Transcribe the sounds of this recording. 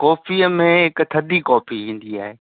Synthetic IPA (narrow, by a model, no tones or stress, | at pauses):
kɔːfiːəmẽɦɪkt̪ʰɐd̪ikɔːpʰiɦĩːn̆d̪ia̰ːɦeː